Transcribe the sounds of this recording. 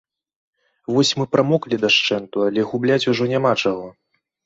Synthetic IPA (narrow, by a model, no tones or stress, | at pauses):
vɔsʲmɨpɾʔamɔklʲid̪aʂt͡ʂɛnt̪ualʲɛɣublʲat͡sʲuʐɔnʲamat͡ʂaɣɔ